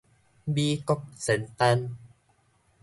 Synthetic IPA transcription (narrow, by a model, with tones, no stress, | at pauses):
biː˧kɔ˧˥k̚se˨˦nt̪a˧n